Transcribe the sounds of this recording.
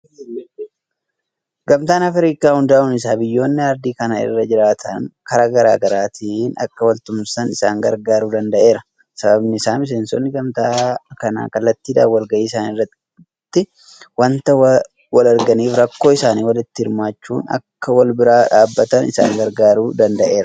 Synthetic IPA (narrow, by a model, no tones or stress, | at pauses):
ɡɐmt̪aːnɐfɾiːkaːhʊnd̪aːʊnɪs̬aːbɪjːo̞ːnːɪɐɾd̪iːkɐnaɪ̰rːɐd͡ʒɪɾaːt̪ʰɐŋkɐɾaːɡɐɾa̰ːɡɐɾaːt̪ʰiːnɐ̰kːɐwɐlt̪ʊmsɐnɪsaːŋɡɐɾɡaːɾuːd̪ɐnd̪ɐʔe̞ːɾɐ | sɐbɐbnɪɪsaːmɪs̬e̞ːnsɔnːɪɡɐmt̪aːkɐna̰ːkɐlːɐt̪ːiːd̪a̰ːwɐlɡɐʔiːsaːnɪrːɐ | t̪ːɪ | wɐnt̪ɐ | wɐlɐɾɡɐniːfɾɐkːo̞ːɪsaːniːwɐlɪt̪ːɪhɪɾmaːt͡ʃːṵːnɐ̰kːɐwɐlbɪɾaːᶑaːbːɐt̪ɐnɪ̰sa̰ːŋɡɐɾɡaːɾuːd̪ɐnd̪ɐʔe̞ːɾɐ